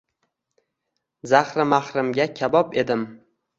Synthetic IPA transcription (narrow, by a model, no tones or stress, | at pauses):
zahɾɪmahɾɪmɡʲakʲʰabɒpe̞d̪ɪm